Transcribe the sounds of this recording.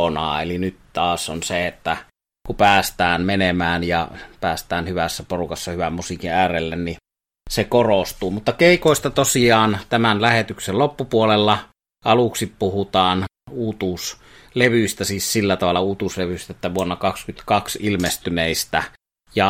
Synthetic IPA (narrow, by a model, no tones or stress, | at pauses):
onɑ̰ːelinyt̪t̪ɑːsonseet̪ːæ | kupæːst̪æːnmenemæːnjɑpæːst̪æːnhyʋæsːæporukɑsːɑhyʋæmmusikiæːrelːenni | sekorost̪uːmut̪ːɑkeˑikoˑest̪ɑt̪osiɑːnt̪æmænlæhet̪yksellopːupuolelːɑ | ɑluksippuhut̪ɑːn | uːt̪us | leʋyst̪æsiːssilːæt̪ɑʋɑlːˑɑuːt̪usleʋyst̪æet̪ːæʋuonːɑkɑkskyt̪kɑksilmest̪yneˑist̪æ | jɑ